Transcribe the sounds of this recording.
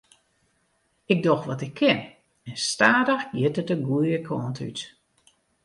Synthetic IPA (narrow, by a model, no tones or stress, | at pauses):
ɪk̚dɔxʋɔtɪkʰːɪn | ɛnstaːdəxjɪtətəɡuəəkʰɔːnty̰t